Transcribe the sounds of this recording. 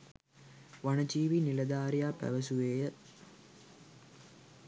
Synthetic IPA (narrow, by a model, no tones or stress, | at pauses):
ʋaɳɐd͡ʒiːʋinilɐd̪aːɾjaːpæ̰ʋɐsuʋeːjə